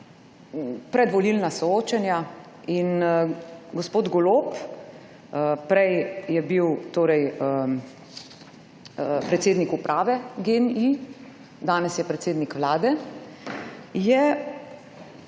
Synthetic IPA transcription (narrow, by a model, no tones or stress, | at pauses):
pɾɛd̪ʋɔlilnasɔoːt͡ʃɛnja | in | ɡɔspoːd̪ɡɔloːp | pɾɛjjɛbiwt̪oːɾɛjə | pɾɛt̪seːd̪nikupɾʔaːʋɛɡeni | d̪aːnɛsjɛpɾɛt̪seːd̪nikʋlaːd̪ɛ | jɛ